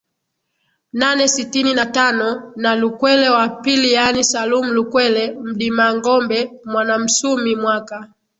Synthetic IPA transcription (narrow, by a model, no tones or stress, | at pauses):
nanɛsitininatanɔnalukwɛlɛwapilijanisalum̩lukwɛlɛm̩ɗimaŋɡɔmbɛmwanam̩sumimwaka